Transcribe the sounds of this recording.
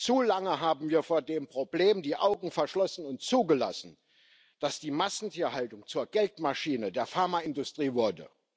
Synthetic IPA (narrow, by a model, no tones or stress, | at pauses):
t͡suːlaŋəɦaːbm̩viːɐfoːɐdeːmpʁ̥obleːmdiːʔaʊɡŋ̩fɛɐʃlɔsn̩ʊntt͡suːɡəla̰sn̩ | d̥asd̥iːmasn̩tʰiːɐhaltʊŋt͡suːɐɡɛltmaʃiːnədeːɐfaɐmaɪndʊstʁ̥iːvʊɐdə̰